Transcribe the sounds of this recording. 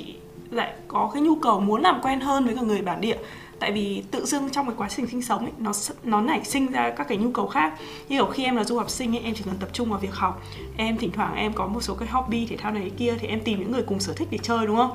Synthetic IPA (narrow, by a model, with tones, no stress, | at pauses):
ḭ˧˨ | la̰ː˧˨jkɔ˨˦kaː˨˦jɲu˧kə˨˩wmu˨˦nlaː˨˩mkwɛ˧nɦəː˧nvəː˨˦jkɔː˧˩ŋɨ˨˩əjɓaː˧˩nɗḭ˧˨ə | t̪a̰ː˧˨jvi˨˩t̪ɨ̰˧˨zɨ˧əŋt͡ɕɔ˧wŋ͡mkaː˨˦jkwaː˨˦sï˨˩ŋ̟si˧ŋ̟sə˨˦wŋ͡mʔə˧˦jnɔ˨˦nɔ˨˦ɲa˧˩jsï˧ŋ̟zaː˧kaː˦˥kːaː˨˦jɲu˧kə˨˩wxaː˦˥k̚ | ɲɨ˧ŋkə˧˨˩wxi˧ʔɛ˧mlaː˨˩zu˧hɔ˨˩wk͡p̚sï˧ŋ̟ʔə˨˦ʔɛ˧mt͡ɕi˧˩kə˨˩nt̪ə˨˩p̚t͡ɕʊ˧ŋ͡mvaː˨˩vi˨˩ək̚hɔ˨˩wk͡p̚ | ʔɛ˧mt̪ï˧˩ŋ̟t̪waː˧˩ŋʔɛ˧mkɔ˨˦mo˨˩t̚so˨˦kaː˨˦jɦɔ˨˩p̚ɓi˧t̪ʰe˧˩t̪ʰaː˧wnə˨˦˨jki˧ət̪ʰi˨˩ʔɛ˧mt̪i˨˩mɲɨ̰˧˥ŋːɨ˨˩əjkʊ˨˩ŋ͡msəː˧˩t̪ʰï˦˥k̚ɗe˧˩t͡ɕəː˧jɗʊ˨˦ŋ͡mhə˧wŋ͡m